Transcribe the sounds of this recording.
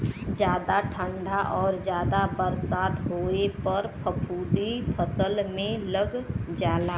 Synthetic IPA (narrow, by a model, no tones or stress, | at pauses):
d͡ʒjaːd̪aʈʰə̃ɳɖʱaʔɔːɾd͡ʒjaːd̪abəɾsaːt̪ɦoːepəɾpʰəpʰuːd̪ipʰəsəlmẽləɡd͡ʒaːlaː